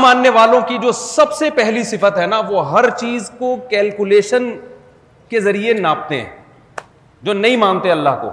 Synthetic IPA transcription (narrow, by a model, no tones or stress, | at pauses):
mãːnːeʋaːlõkid͡ʒoːsɐbsepɛɦlisɪfət̪ɦɛnaʋoɦɐɾt͡ʃiːzkokɛːlkʊleːʃən | kezɐɾienaːp̚t̪eɦɛ̰̃ | d͡ʒoːnɐĩmãːnt̪eɦɛ̃ɐlːa̰ɦko̰ː